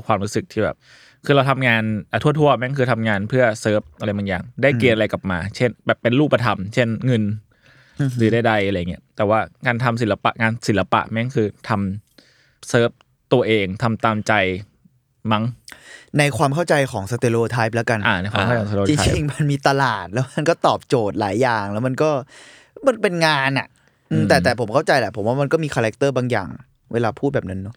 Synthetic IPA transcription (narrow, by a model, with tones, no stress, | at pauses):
kʰwaː˧mɾuː˦˥sɯ˨˩k̚t̪ʰiː˥˩bɛ̰ː˨˩p̚ | kʰɯː˧la˧wt̪ʰa˧mŋaː˧nʔa˨˩t̪ʰu˥˩ɐt̪ʰu˥˩ɐma˦˥kʰɯː˧t̪ʰa˧mŋaː˧npʰɯ˥˩ɐsɤː˦˥p̚ʔa˧ɾa˧jma˧ŋjaː˨˩ŋdaː˥˩jki˧nʔa˧ɾa˧jka˨˩p̚maː˧t͡ɕʰe˥˩nbɛː˨˩pːe˧nɾuː˥˩pːa˧t̪ʰa˧mt͡ɕʰe˥˩nŋɤ˧n | ɾɯː˨˦daː˥˩jda˧jʔɾa˧jːŋi˦˥ɐt̪ɛː˨˩waː˥˩ŋaː˧nt̪ʰa˧ms̬i˩˦la˧pa̰˨˩ʔŋaː˧nsi˩˦la˧pa̰˨˩ʔma˦˥kʰɯː˧t̪ʰa˧m | sɤː˦˥˩p̚ | t̪u˧ɐʔeː˧ŋt̪ʰa˧mt̪aː˧mt͡ɕa˧j | ma˦˥ŋna˧jkʰwaː˧mkʰa˥˩wt͡ɕa˧jkʰɔː˩˦ŋsa˧t̪eː˧loː˧˩t̪ʰaː˦˥jp̚lɛː˦˥ka˧nʔaː˧˩na˧jkʰwaː˧kʰːaː˧˩˦soː˧t͡ɕi˧ŋ˦t͡ɕi˧ŋma˧nmiː˧t̪a˧laː˨˩t̪̚lɛː˦˥ma˧nkɔː˥˩t̪ɔː˨˩p̚t͡ɕoː˨˩t̪̚laː˩˦jːaː˨˩ŋlɛː˦˥wma˧nkɔː˥˩ | ma˧npe˧nŋaː˧nʔa̰˨˩ʔ | ʔɯː˧t̪ɛː˨˩ɛː˨˩pʰo˩˦mkʰa˥˩wt͡ɕa˧jlɛ˧˩pʰo˩˦waː˥˩ma˧nkɔː˥˩miː˧kʰaː˧ɾɛ˦˥k̚t̪ɤː˥˩baː˧ŋja̰ː˨˩ŋ | wʔeː˧laː˧pʰuː˥˩bɛː˨˩p̚na˦˥nːɔ˦˥